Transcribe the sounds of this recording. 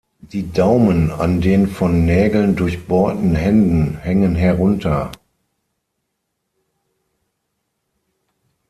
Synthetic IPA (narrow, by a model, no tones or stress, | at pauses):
d̥iːdaʊməna̰ndeːnfɔnːɛːɡl̩ndʊɐçb̥ɔɐtn̩hɛndn̩hɛŋənɦɛɐʁʊntʰɐ